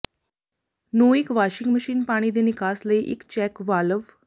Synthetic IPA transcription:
nuːikʋaɕiŋɡməɕiːnpaːɽ̃iːd̪enikaːsləeʔḭkt͡ɕɛkʋaləʋ

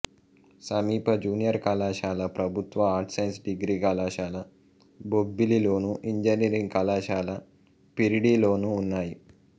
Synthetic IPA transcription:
sɐmiːpɐd͡ʒuːnijɐɾkalaːʃaːlɐpɾɐbʱut̪ʋɐaːɾʈsɐjnsɖiɡɾiːkalaːʃaːlɐ | bobːililoːnuʔiɲd͡ʒɐnijɾiŋɡkɐlaːʃaːlɐ | piɾiɽiːloːnuːnːaːji

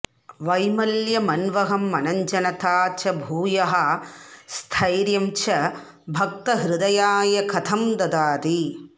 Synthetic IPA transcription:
ʋɐjmɐljɐmɐnʋɐɦɐmːɐnɐɲd͡ʒɐnɐt̪aːt͡ʃɐbʱuːjɐɦɐst̪ʰɐjɾjɐmt͡ʃɐ | bʱɐk̚t̪ɐɦɾɪd̪ɐjaːjɐkʰɐt̪ʰɐmd̪ɐd̪aːɾi

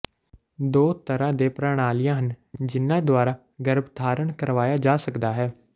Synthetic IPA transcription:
d̪oːt̪əɾãːd̪eːpɾaːɽ̃aːlɪjãːɦənd͡ʒɪnːãːd̪ʊaːɾaː | ɡəɾəbd̪ʰʱaːɾəɳkəɾʋaːjaːd͡ʒaːsəkd̪aːɦɛː

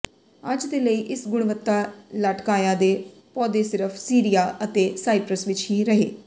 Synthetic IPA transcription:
əd͡ʒd̪eːləiːʔɪsɡʊɽ̃ʋət̪ːaːləʈkaːjaːd̪eː | pɔːd̪eːsɪɾəpʰsiːɾijaːʔət̪eːsaːipɾəsʋɪt͡ʃɦiːɾəɦeː

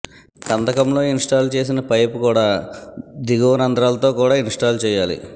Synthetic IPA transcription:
kɐnd̪ɐkɐmlo̞ːinʂʈaːlt͡ʃe̞ːs̬inɐpɐjpukuːɽaːd̪iɡoːnɐnd̪ɾaːlɐt̪o̞ːkuːɽaːinʂʈaːlt͡ʃɛːjaːlḭ

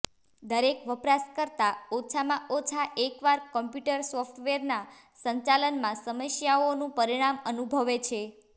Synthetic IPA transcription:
d̪əɾekʋəpɾaskəɾt̪aot͡ʃʰamãʔot͡ʃʰaʔekʋaɾkɔmpjuʈəɾsɔfʈʋeɾna | səɲt͡ʃalənmãsəməsjaonũpəɾiɽ̃amənubʱəʋet͡ʃʰe

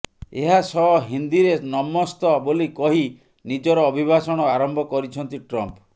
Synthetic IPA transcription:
eɦasɔɦind̪iɾenɔmɔst̪ɔbolikɔɦi | nid͡ʒɔɾɔːbʱibʱasɔɽ̃ɔaɾɔmbʱɔkɔɾit͡ʃʰɔnt̪iʈɾɔmp

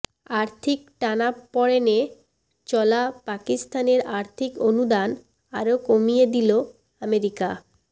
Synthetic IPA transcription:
aɾt̪ʰik̚ʈanapɔɽene | t͡ɕɔlapakist̪aneɾaɾt̪ʰikonud̪an | aɾokomijed̪ilo | ameɾika

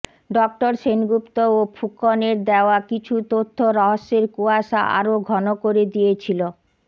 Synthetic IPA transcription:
ɖɔk̚ʈoɾʃenɡupt̪oopʰukoneɾd̪eoakit͡ɕʰut̪ot̪ʰːoɾɔɦoʃːeɾkuaʃa̰ʔa̰ɾoɡʱɔnokoɾed̪ijet͡ɕʰilo

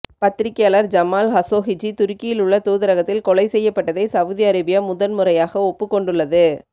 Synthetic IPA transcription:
pɐt̪ːɪɾɪkːejaːlɐɾd͡ʒɐmaːlɦɐsoːɦɪd͡ʒit̪ʊɾɪkːɪjɪlʊɭːɐt̪uːðɪɾɐɣɐt̪ːɪlkɔɭɐɪsɛjːɐpːɐʈːɐðɐɪsɐʋðiɐɾɪbɪjɐmʊðɐnmɯɾɐjaːɣɐɔpːɯkːɔɳɖɯɭːɐðɯ

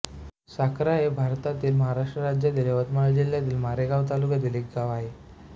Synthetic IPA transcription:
sakɾajebʱaɾt̪at̪iːlməɦaɾaʂʈɾəɾad͡ʑjat̪iːleʋət̪maləd͡ʑil̤jat̪iːlmaɾeɡaʋt̪̬alukjad̪ilekɡaʋaɦe

